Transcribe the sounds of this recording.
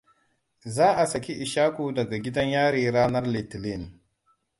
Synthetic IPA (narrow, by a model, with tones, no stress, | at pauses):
zaː˦ʔa˨sɐ˨kʲi˦ʔi˨ʃaː˦ku˦dɐ˨ɡa˨ɡʲi˦dɐ˦ɲjaː˦ɾiː˨˦ɾaː˦nɐ˦rli˨tli˦˨n